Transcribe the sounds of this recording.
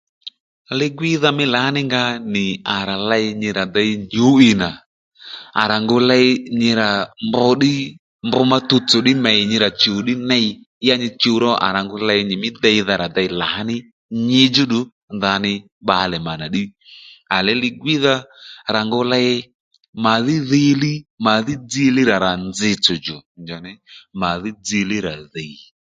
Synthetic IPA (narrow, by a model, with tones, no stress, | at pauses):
lɪ˦˧ɡwi˦ða˧mɪ˦la˨a˦nɪ˦ŋɡa˧nɪ˨a˨ɾa˨la˧ɪ˧ɲɪ˧ɾa˨da˧ɪ˧nd͡ʒu˨˦i˧na˨ | a̰˨ɾa˨ŋɡʊ˧lɛ˧ɪ˧ɲɪ˧ɾa˨mbʊ˧ɗɪ˦ | mbʊ˧ma˧tu˧t͡sʊ˨ɗɪ˦mɛ˨ɪ˨ɲɪ˧ɾa˨t͡ʃu˨˦ɗɪ˦nɛ˦ɪ˧˦ | a˧ɲɪ˧t͡ʃu˧˦ɾɔ˦ʔa̰˨ɾa˨ŋɡʊ˧lɛ˧ɪ˧ɲɪ˨mɪ˦dɛ˧i˧ða˧ɾa˨da˧ɪ˧la˨ɦa˦nɪ˦ | ɲɪ˧d͡ʒʊ˦ɗʊ˨˦ | nða˧nɪ˧ | ɓa˨˧lɛ˨ma˨na˨ɗɪ˦a˨lɛ˨˦lɪ˧ɡwi˦ða˦˧ɾa˨ŋɡʊ˧lɛ˧ɪ˧ | ma˨ðɪ˦ði˦˧˦lɪ˦ma˨ðɪ˦d͡zɪ˦lɪ˦ɾa˨ɾa˨nd͡zɪ˧t͡sʊ˨d͡ʒɔ˨nd͡ʒa˨nɛ˨˦ma˨ðɪ˦d͡zi˧lɪ˦ɾa˨ði˨